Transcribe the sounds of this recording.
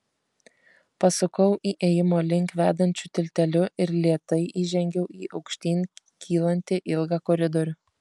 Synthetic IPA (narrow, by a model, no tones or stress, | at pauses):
pɐsʊkɐʊʔiːʔeːjɪmoːlʲɪŋkʋʲæːd̪ɐnʲt͡ʃʲʊt̪ʲɪlʲt̪ʲɛlʲʊɪɾlʲiɛt̪ɐɪʔiːʒʲɛŋʲɡʲɛʊiːʔɐʊkʃʲt̪ʲiːnʲ | kʲʰiːlˠɐnʲt̪ʲɪʔɪlˠɡɑːkoːɾʲɪd̪oːɾʲʊ